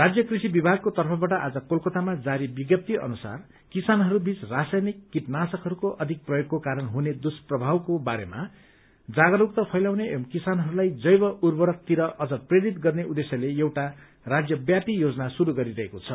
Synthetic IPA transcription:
rad͡zjʌkrisibibʱaɡ̚kot̪ʌrpʰʌbaʈʌʔad͡zʌkolkʌt̪amad͡zaɾibiɡjʌp̚t̪iʌ̰nusa̰r | kisanɦʌɾubʱit͡srasajnikːit̪nasʌkɦʌɾukoʔʌd̪ʱik̚prʌjoɡkokaɾʌnɦuned̪usprʌbʱawkobaɾema | d͡zaɡʌɾuk̚t̪ʌpʰʌjlawneʔemkisanɦʌɾulajd͡zʌjbʌurbʌɾʌk̚t̪iɾʌʔʌd͡zʌpreɽit̪ɡʌrneʔud̪esjʌlejewʈa | rad͡zjʌbjapijod͡zʌnasuɾuɡʌɾiɾʌɦekot͡sʰʌ

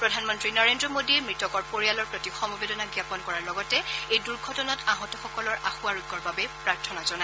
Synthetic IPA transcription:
pɹɔdʱanmɔntɹinɔɹendɹɔmodiɛmɹitɔkɔɹpoɹijalɔɹpɹotixɔmɔbedɔnaɡjapɔnkɔɹaɹlɔɡɔtɛejduɹɡʱɔtɔnataɦɔtɔxɔkɔlɔɹʔaxuaɹuɡːɔɹbabɛpɹaɹtʰɔnazɔna

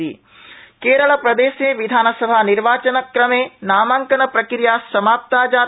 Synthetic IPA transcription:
ḭ | keːɾɐɭɐpɾɐd̪eːʃeːʋid̪ʱaːnɐsɐbʱaniɾʋaːt͡ʃɐnɐkɾɐmeːnaːmaːŋkɐnɐpɾɐkɾijaːsɐmaːp̚t̪aːd͡ʒaː

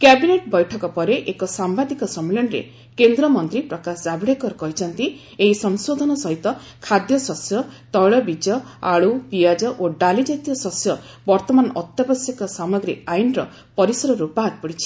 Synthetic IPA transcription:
kjabineʈbɔjʈʰɔkɔpɔɾeʔekɔsambad̪ikɔsɔmelɔnɔɾḛ | kend̪ɾɔmɔnt̪ɾipɾɔkasɔd͡ʒabɽakɔɾɔkɔɦit͡ʃʰɔnt̪i | eɦisɔŋsod̪ʱɔnɔsɔɦit̪ɔ | kʰad̪jɔsɔsjɔt̪ɔjɭɔbid͡ʒɔa̰ɭupiad͡ʒɔʔoɖalid͡ʒajt̪ijɔsɔsjɔ | bɔɾt̪ɔmanɔʔɔt̪jɔbɔsjɔkɔsamɔɡɾiajnɾɔ | pɔɾisɔɾɔɾupaɦat̪̚pɔɽit͡ʃʰi̥

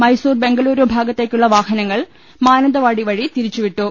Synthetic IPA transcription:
mɐjsuːrbeŋɡɐɭuːɾoːbʱaːɡɐt̪ːeːkʲːuɭːɐʋaːhɐnɐŋːɐɭ | maːnɐnd̪ɐʋaːɽiʋɐɻit̪iɾit͡ɕːuʋiʈːu

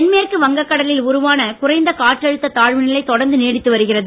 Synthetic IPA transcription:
nmeːrkɯʋɐŋɡɐkːɐɽɐlɪlʊɾʊʋaːnɐkʊrɐɪnd̪ɐkaːʈrɐɻɯt̪ːɐt̪aːɻʋɯnɪlɐɪt̪ːɔɽɐɾnd̪ɯneːɽɪt̪ːɯʋɐɾɯɣɪrɐðɯ

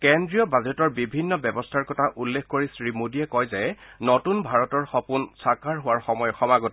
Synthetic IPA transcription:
kɛndɹijɔbazɛtɔɹbibʱinːɔbjɛbɔstʰaɹkɔtʰaʔulːekʰkoɹisɹimodiɛkɔjzɛnɔtunbʱaɹɔtɔɹxɔpunsakaɹɦʊwaɹxɔmɔjɔxɔmaɡɔt

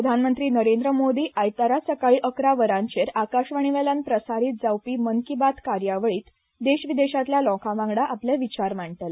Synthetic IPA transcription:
ɾəd̪ʱanmənt̪ɾiːnəɾẽnd̪ɾəmod̪iːʔajt̪aɾasəkaɭiːʔəkɾaʋəɾãɲt͡ɕeɾakaɕʋəɳ̃iʋelãnpɾəsaɾiːt̪̚d͡zawpiːmənkibat̪kaɾjaʋəɭiːt̪ | d̪eɕʋid̪eɕat̪ljalɔ̃kʰãʋãŋɡɽaʔapljaʋit͡ɕaɾmaɳʈ̪əla

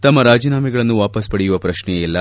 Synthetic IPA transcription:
t̪ɐmːɐɾaːd͡ʒiːnaːmɛɡɐɭɐnːuʋaːpɐspɐɽejuʋɐpɾɐʃnɛjɛlːɐ

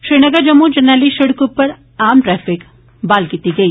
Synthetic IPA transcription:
ʃɾiːnɐɡəɾd͡ʒɐmːud͡ʒɐnaːliʃɪɽkupɐɾ | aːmʈɾɛːfɪk | baːlkiːt̪iɡɐiː

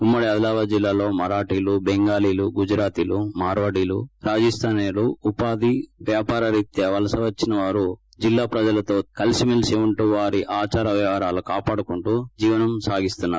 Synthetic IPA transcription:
umːɐɽiɐd̪ɐlaːʋɐd͡ʒilːaːlo̞ːmɐɾaːʈiːlubeŋɡaːliːluɡud͡ʒɾaːt̪ilumaːɾʋɐɽiːlṵɾaːd͡ʒɐst̪ʰaːneluupaːd̪iʋjaːpaːɾɐɾit̪jɐʋɐlɐsɐʋɐt͡ʃːinɐʋaːɾu | d͡ʒilːaːpɾɐd͡ʒɐlɐt̪o̞ːkɐlsimilseːʋɐɳʈuːʋaːɾiʔaːt͡ʃaːɾɐʋjɐʋɐɾaːlukaːpaːɽukuɳʈuːd͡ʒiːʋɐnɐmsaːɡist̪unːaːɾu

